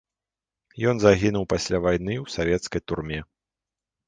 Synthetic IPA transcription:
jɔnzaɣʲinuwpasʲlʲavajnɨwsavʲɛt̪skɐjt̪urmʲɛ

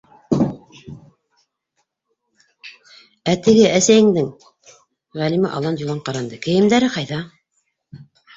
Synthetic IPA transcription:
æt̪ɘ̆ɡɘʔæsæjɘ̆ŋd̪ɘŋ | ʁælimæʔɑ̰lˠɑnjulˠɑɴqɑɾɑnd̪ɤkɘ̆jɘ̆md̪æɾɘqɑjðɑ

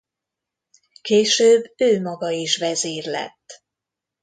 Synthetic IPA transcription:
keːʃøːbːøːmɒɡɒiʃʋɛzeːrlɛ̰t̪ː

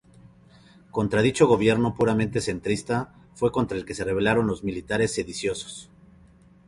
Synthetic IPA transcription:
ko̞nt̪ɾaðit͡ʃo̞ɣo̞β̞je̞ɾno̞puɾamẽ̞nt̪e̞se̞nt̪ɾist̪a | fwe̞ko̞nt̪ɾaelke̞se̞re̞β̞e̞laɾo̞nlo̞zmilit̪aɾe̞sːe̞ðisjo̞so̥s

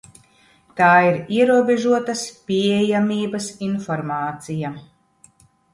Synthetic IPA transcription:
t̪aːiɾiɛɾuɔbʲeʒuɔt̪ɐspʲiɛjamʲiːbɐsinfɔɾmaːt̪sija

